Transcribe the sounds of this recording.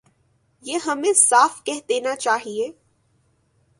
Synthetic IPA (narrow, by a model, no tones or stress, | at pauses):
jeːɦɐmẽsaːfkɛɦd̪eːnat͡ʃaːɦieː